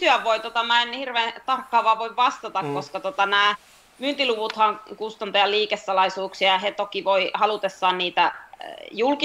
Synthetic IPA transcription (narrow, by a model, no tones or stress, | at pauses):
t̪yæʋʋoit̪ot̪ɑmæenhirʋeːt̪ɑrkːɑːʋɑːʋoiʋʋɑst̪ɑt̪ɑkkoskɑt̪ot̪ɑnæː | mynt̪iluʋut̪hɑŋkust̪ɑnt̪ɑjɑliːkesːɑlɑisuːksiɑjɑhet̪okiʋoihɑlut̪esːɑːnniːt̪æjulki